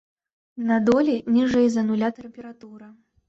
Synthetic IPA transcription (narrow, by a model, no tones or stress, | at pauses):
nɐd̪ɔlʲinʲiʐɛjzɐnulʲat̪ɛmʲpʲɛɾat̪uɾɐ